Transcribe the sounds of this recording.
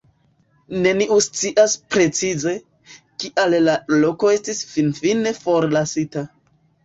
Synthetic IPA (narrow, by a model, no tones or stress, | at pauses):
ne̞niʔust͡siʔaspɾe̞t͡size̞ | kiʔallalo̞ko̞e̞stisfinfine̞fo̞ɾlasita